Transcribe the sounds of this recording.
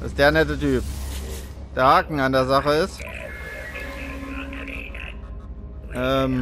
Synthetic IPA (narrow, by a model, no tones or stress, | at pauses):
a̰sd̥eːɐnɛtətyːp | d̥eːɐhaːkŋ̩andeːɐzaχəɪst | ʔɛːm